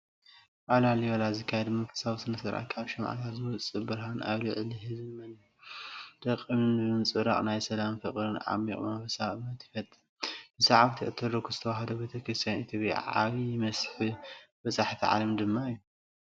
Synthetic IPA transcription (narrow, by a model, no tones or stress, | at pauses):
ʔaβlaliwɐlazɨkʰːajɛd̪mɐkʰɨ̥saβsɨnɐsɐɾʔa̰kʰaβʃɐmʕa̰t̪ʰat̪zɨwɔt͡sʼɨbɨɾɦanʔa̰βlɨʕɨliɦɨzmɐn | d̪̥ɐqʼːɨmɨnɨβɨnt͡sʼɨɾaχʼnajsɐlamfɨχʼɾɨnʕa̰mːḭkʼmɐβɐsaɨmɐt̪jɪfɐt̪ʼɨ | bɨsɐʕaβt̪ʰiʔɨt̪ʰɨɾokʰuzɨt̪ʰɐwaɦɐd̪obet̪ʰɐkʰɾɨst̪ʰjanit̪ʰjopʼa̰ʕa̰βijɪmɐsħɨbɐzʼaħt̪ʰiʕa̰lɐmd̪ɨmːaɨjːu